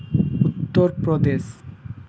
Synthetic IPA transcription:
ut̪ːoɾpɾod̪es

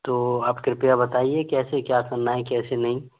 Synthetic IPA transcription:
t̪oːaːpkɾɪpijabɐt̪aːiekɛːsekjakɐɾnaɦɛkɛːsenɐɦĩ

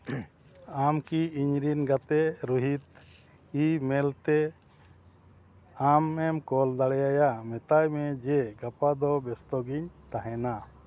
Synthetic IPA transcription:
amkiiɲɾinɡat̪ɛɾuɦit̪ | imɛlt̪ɛ | amɛmkɔld̪aɽɛjajamɛt̪ajmɛd͡ʒɛɡapad̪ɔbɛst̪ɔɡiɲt̪aɦɛna

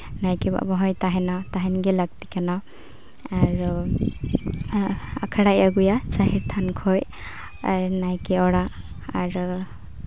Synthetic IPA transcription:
najkiba̰bɔɦɔjt̪aɦɛnɔt̪aɦɛnɡelaɡ̚t̪ikanɔ | aɾ | a̰kʰaɽajaɡujat͡ʃaɦiɾt̪ʰankʰoj | najkiɔɽa | a̰ɾ

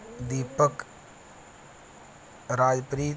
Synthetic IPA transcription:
d̪iːpək | ɾaːd͡ʒpɾiː

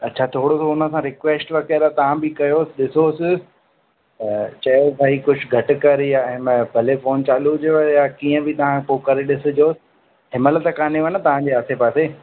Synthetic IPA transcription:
ɐtːt͡ɕʰat̪ʰoːɽosoʊnə̆sãɾɪkʋeːsʈʋɐkeɾat̪ɐʋ̤ãbʱɪkɐjoːsɪɗɪsosɪ | t͡ɕɐjosaikʊd͡ʑʱʊɡʱɐʈʊkɐɾjaɪmbʱɐlefoːnt͡ɕaːlud͡ʑjojakiːə̃bɪt̪ɐʋ̤ãpoːkɐɾeɗɪsʊ̆d͡ʑoːsɪ̥ | ɦɪməlt̪əkaːneʋɐnət̪ɐʋ̤ãd͡ʑeaːsepaːse

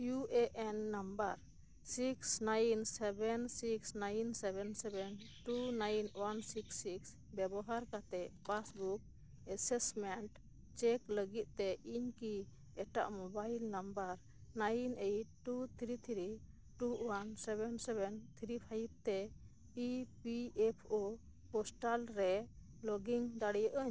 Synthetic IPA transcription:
juʔeʔɛnːambəɾ | siksnajnsɛbɛnsiksnajnsɛbɛnsɛbɛn | ʈunajnwansiksːiks | bɛbɔɦaɾkat̪ɛpasbuk̚ | ɛsɛsmɛnʈ | t͡ʃɛkləɡit̪̚t̪ɛʔiɲki | ɛʈa̰ʔmɔbailnambəɾ | najnejʈut̪ʰɾit̪ʰɾi | ʈuwansɛbɛnsɛbɛnt̪ʰɾipʰajib̚t̪ɛ | ipiɛpʰo | pɔsʈalɾɛ | lɔɡiŋd̪aɽɛjəʔəɲ

